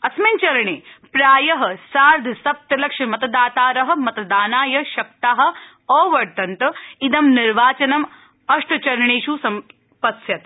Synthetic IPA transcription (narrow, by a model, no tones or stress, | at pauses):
ɐsmint͡ʃɐɾɐɳeːpɾaːjɐɦɐ̆saːɾd̪ʱɐsɐp̚t̪ɐlɐkʂɐmɐt̪ɐd̪aːt̪aːɾɐɦɐ̆mɐt̪d̪aːnaːjɐʃɐk̚t̪aːɦɐ̆ | oːʋɐɾt̪ɐnt̪ɐid̪ɐmniɾʋaːt͡ʃɐnɐm | ɐʂʈɐt͡ʃɐɾɐɳeːʃusɐm | pɐsjɐt̪